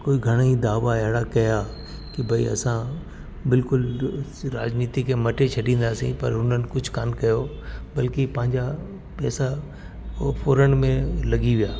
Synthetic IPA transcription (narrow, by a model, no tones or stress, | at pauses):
koːiɡʱɐɽ̃aid̪aːʋaɛɦɽakɐja | kibʱɐḭɐ̰sã | bɪlkʊl | ɾaːd͡ʑniːt̪ikʰemɐʈet͡ɕʰɐɖĩːnd̪aːsḭ̃pɐ̰ɾɦʊn̤ənɪ̆kʊd͡ʑʱʊkaːnkɐjo | bɐlkipɐ̃ɦɪ̃ɲd͡ʑa | pɛːsa | foːɾəɽ̃mẽlɐɡiʋijaː